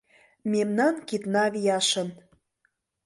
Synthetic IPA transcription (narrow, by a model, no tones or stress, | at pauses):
memnɑnkit̪nɑβijɑʃə̆n